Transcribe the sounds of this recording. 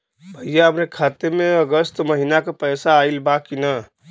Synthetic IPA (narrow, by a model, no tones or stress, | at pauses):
pəijaɦəmnekʰat̪emẽəɡəst̪məɦinakepəjsaːilbakinə